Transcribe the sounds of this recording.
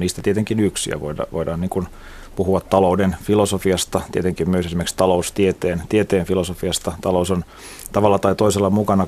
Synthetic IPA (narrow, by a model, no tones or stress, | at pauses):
niːst̪æt̪iet̪eŋkinyksḭæ̰ʋo̰idɑ̰ʋoidɑːniːŋkun | puhuɑt̪t̪ɑloudenfilosofiɑst̪ɑt̪iet̪eŋkimmyøsesimerkst̪ɑloust̪iet̪eːnt̪iet̪eːnfilosofiɑst̪ɑt̪ɑlouson | t̪ɑʋɑlːɑt̪ɑit̪oiselːɑmukɑnɑ